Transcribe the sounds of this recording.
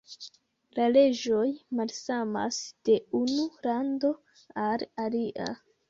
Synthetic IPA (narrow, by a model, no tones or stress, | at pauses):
lale̞d͡ʒo̞jmalsama̰sd̥e̞unulando̞ | alaliʔa̰